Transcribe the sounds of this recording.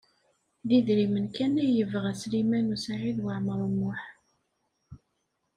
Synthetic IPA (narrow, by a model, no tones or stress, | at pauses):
ðiðɾimənkænæjəvʁæslimænusaʕiðwəʕməɾˤəmːʊħ